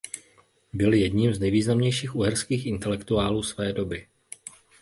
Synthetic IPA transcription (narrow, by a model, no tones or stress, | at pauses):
bɪljɛdɲimznɛjviːznamɲɛjʃiːxʔuɦɛɾskiːxʔɪnt̪ɛlɛkt̪uaːluːsvɛːdo̞bɪ